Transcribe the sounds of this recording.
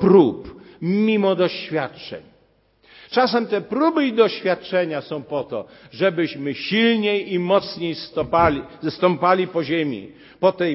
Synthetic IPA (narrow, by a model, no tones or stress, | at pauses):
pɾupmʲimɔd̪ɔɕfʲjatt͡ʂɛ̰ɲ | t͡ʂasɛmt̪ɛpɾubɘid̪ɔɕfʲjat̪̚t͡ʂɛɲasɔ̃w̃pɔt̪ɔʐɛbɘɕmɘɕilɲejimɔt̪sɲejst̪ɔpalʲst̪ɔmpalʲipɔʑemʲḭ | pɔt̪ɛj